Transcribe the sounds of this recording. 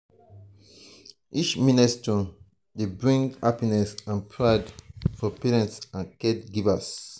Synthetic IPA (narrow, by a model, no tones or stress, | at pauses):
ʔit͡ʃminɛstɔ̃n | debɹĩŋɡhapinɛsãnpʰɹadfɔpɛɹɛ̃ntsãnkɛdɡivas